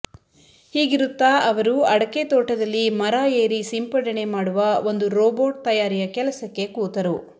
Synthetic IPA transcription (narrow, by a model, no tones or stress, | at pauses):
hiːɡiɾut̪ːaɐʋɐɾuɐɽɐket̪oːʈɐd̪ɐlːimɐɾaːeːɾisimpɐɽɐɳe̞maːɽuʋɐo̞nd̪uɾoːboːʈ̚t̪ɐjaːɾijɐkɛlɐsɐkːe̞kuːt̪ɐɾu